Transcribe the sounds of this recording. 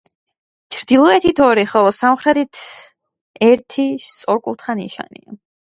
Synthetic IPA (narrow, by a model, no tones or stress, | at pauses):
t͡ʃʰɾd̪ilˠɔɛt̪ʰit̪ʰɔɾiχɔlˠɔsamχɾɛt̪it̪ʰ | ɛɾt̪ʰist̪sʼɔɾkʼult̪ʰχanḭʃa̰nḭa